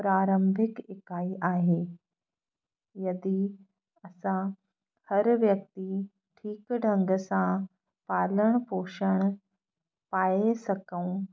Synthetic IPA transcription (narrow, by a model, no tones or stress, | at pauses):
pɾaɾəmbʱikekaiʔaɦe | jəd̪iː | əsã | həɾʋjək̚t̪i | ʈʰiːkɖʱəŋɡsã | paləɳpoɕəɳ̃ | pajesəkəw̃